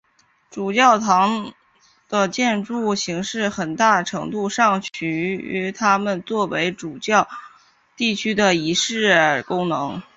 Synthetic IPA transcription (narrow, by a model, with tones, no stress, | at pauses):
ʈ͡ʂu˨˩t͡ɕjɑ˥˩ʊt̪ʰɑ˧˥ŋ | d̪̥ə˧t͡ɕjɛ˥˧nʈ͡ʂu˥˩ɕi˧˥ŋʂɻ̩˥˩xə˨˩nt̪a˥˩ʈ͡ʂʰɤ˧˥ŋt̪u˥˧ʂɑ˥˩ŋt͡ɕʰy˧˥y̰˧˥t̪ʰa˥mə˨nt͡swɔ˥˩we˧˥ɪʈ͡ʂu˨˩t͡ɕjɑ˥˧ʊ | t̪i˥˩t͡ɕʰy˥d̪ə˨i˧˥ʂɻ̩˥˩kʊ˥ŋnɤ˧˥ŋ